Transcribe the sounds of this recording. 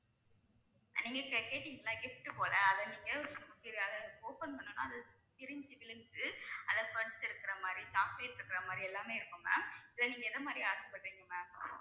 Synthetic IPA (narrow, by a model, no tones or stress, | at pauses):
niːŋɡɐkɐkeːʈːiːŋɡɐlːãːɡɪfʈːɯpoːlɐɐðɐniːŋɡɐsʊpɪɾɐðɐoːpɐnpɐnːɯnːa̰ːɐðɐ | t̪ɪɾɪɲd͡ʒɯʋɪlɯnɡɯɐðɐpɐɽɯt̪ːɪɾɯkːɪɾɐmaːd̪ɾit͡ʃaːpleːʈːɪɾɯkːɪɾɐmaːd̪ɾiɛlːaːmeːɪɾɯkːɯmɐ̰ɪlːɐniːŋɡɐɪðɐmaːd̪ɾiaːɾsɐpːɐʈːiːŋɡɐmɐ